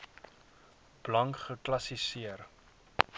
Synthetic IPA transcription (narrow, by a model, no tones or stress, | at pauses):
b̥lɐŋkχəklɐsisiər